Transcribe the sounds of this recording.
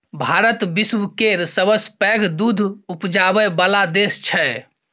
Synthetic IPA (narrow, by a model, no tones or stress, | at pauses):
bʱaɾət̪biswkeɾsəbəspɛɡʱd̪ud̪ʱupd͡ʒabəbəlad̪est͡ʃʰɛ